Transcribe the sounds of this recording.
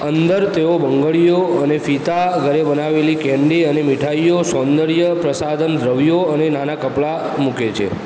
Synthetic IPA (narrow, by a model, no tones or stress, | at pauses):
ənd̪əɾt̪eobəŋɡəɭijoənefit̪aɡʱəɾebənaʋelikɛ̃ɳɖiənemiʈʰaijosɔ̃nd̪əɽjəpɾəsad̪ʱənd̪ʱɾəʋijoənenanakəpɭa | muket͡ʃʰḛ